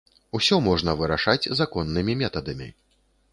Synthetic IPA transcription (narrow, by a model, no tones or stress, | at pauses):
usʲɔmɔʐnɐvɨɾaʂad͡zʲzakɔnːɨmʲimʲɛt̪ɐd̪ɐmʲḭ